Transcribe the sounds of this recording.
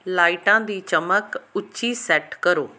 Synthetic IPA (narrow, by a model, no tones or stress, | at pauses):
laːɪʈãːd̪iːt͡ʃəməkʊːt͡ʃisɛʈkəɾoː